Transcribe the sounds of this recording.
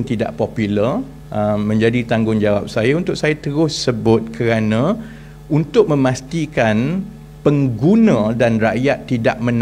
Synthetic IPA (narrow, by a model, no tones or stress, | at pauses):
ŋt̪ida̰ʔpopulə | əmːə̃ɲd͡ʒadit̪aŋɡʊŋd͡ʒawap̚sajaunt̪ʊk̚sajat̪əɾʊsːəbʊt̪̚kʰəɾanã | unt̪ʊk̚mə̃mãst̪ikan | pəŋɡunãdanraʔjat̪ːidaʔmə̃n